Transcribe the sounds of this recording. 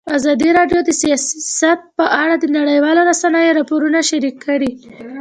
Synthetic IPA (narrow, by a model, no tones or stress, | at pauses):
azɑd̪iɾɑɖjod̪əsijɑsat̪̚pəʔaɽad̪ənaɽəjwɑloɾasanəjoɾɑpoɾunaʃaɾikʰːaɽi